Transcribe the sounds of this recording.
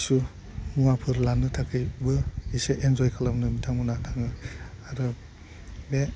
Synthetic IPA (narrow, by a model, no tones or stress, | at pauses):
su | muwapʰɯɾlanɯtʰakʰɯjbɯiseʔenzɔjkʰalamnɯmitʰaŋɯnatʰaŋɯaɾɯ | be